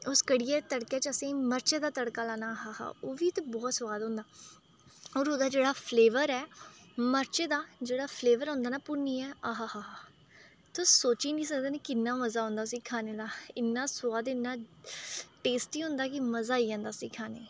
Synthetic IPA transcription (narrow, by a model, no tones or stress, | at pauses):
ʊskəɽɪːɛːt̪əɽkeːt͡ʃəsẽːməɾt͡ʃeːd̪aːt̪əɽkaːlãːnaːɦaːha̰ːoːʋiːt̪abɔːt̪sʊwaːd̪õːnd̪aː | ɔːɾɦoːd̪aːd͡ʒeːɽaːpʰleːʋəɾɛːməɾt͡ʃːd̪aːd͡ʒeːɽaːpʰleːʋəɾɦõːnd̪aːnaːpʊniːɛːaːɦaːɦaːɦaː | t̪osoːt͡ʃiːnĩːsək̚d̪eːnekɪnːaːməzaːɦʊ̃nd̪aːʊsĩːkʰaːneːd̪aːɪnːaːsʊwaːd̪ɪnːãː | ʈeːsʈiːɦʊ̃nd̪aːkɪməzaːiːãːnd̪aːsĩːkʰaːneː